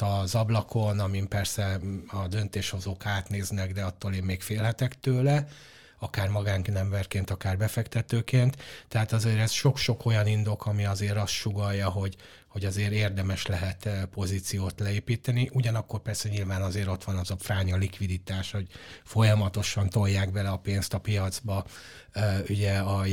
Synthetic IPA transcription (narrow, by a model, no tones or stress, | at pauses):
tɒzɒblɒkʰo̞nɒmimpɛrsɛɒd̪ø̞n̪t̪eːʃho̞zoːkaːt̪neːznɛɡd̪ɛɒt̪ːoːleːmmeːkfeːlɦɛt̪ɛkt̪øːlɛ | ɒkaːrmɒɡaːŋknɛɱbɛrkeːnt̪ɒkaːrbɛfɛkt̪ɛt̪øːkeːnt̪t̪ːɛɦaːt̪ɒzeːɾɛzʃo̞kʃo̞ko̞jɒnind̪o̞kʰɒmiɒzeːɾɒst̪ʃuɡɒjːɒɦo̞ɟ | hoɟɒzeːɾeːrd̪ɛmɛʃlɛɦɛt̪po̞zit̪sijoːt̪lɛeːpiːt̪ɛniʔuɟɒnɒkːo̞rpɛrsɛɲilvaːnɒzeːɾo̞t̪ʋɒnɒzɒfraːɲɒlikʋid̪it̪aːʃho̞ɟfo̞jɒmɒt̪o̞ʃɒnt̪o̞jːaːɡbɛlɛɒpeːnst̪ɒpijɒd̪zbɒ | yɟɛɒ